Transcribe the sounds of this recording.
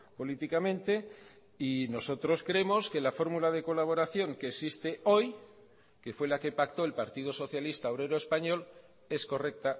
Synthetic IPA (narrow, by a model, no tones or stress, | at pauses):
po̞lit̪ikamẽ̞nt̪e̞ | ino̞so̞t̪ɾo̞skɾeemo̞ske̞lafo̞ɾmulað̞e̞ko̞laβ̞o̞ɾaθjo̞ŋkeːsist̪e̞o̞j | ke̞fwe̞lake̞pakt̪o̞elpaɾt̪ið̞oso̞θjalist̪aoβɾe̞ɾoe̞spaɲo̞l | e̞sko̞re̞k̚t̪a